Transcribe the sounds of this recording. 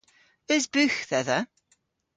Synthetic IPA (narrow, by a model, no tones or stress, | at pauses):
əzbʉxðɛðə